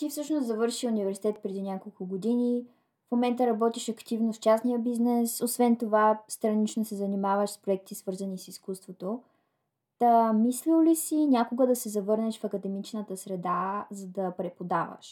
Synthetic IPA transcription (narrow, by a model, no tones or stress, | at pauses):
t̪ifsɤʃnoszɐvɤɾʃiunivɛɾsi̥t̪ɛt̪̚pɾɛd̪inʲakolˠkʊɡod̪ini | fmomɛnt̪əɾɐbɔt̪iʃɐkt̪ivnoft͡ʃasnijəbiznɛsosvɛnt̪ovast̪ɾɐnit͡ʃnosɛzɐnimavəʃspɾoɛk̚t̪isvɤɾzɐnisiskust̪vot̪o | t̪ɐmislillisinʲakʊɡəd̪ɐsɛzɐvɤɾnɛʃfɐkɐd̪ɛmit͡ʃnət̪əsɾɛd̪azɐd̪ɐpɾɛpod̪avə̰ʃ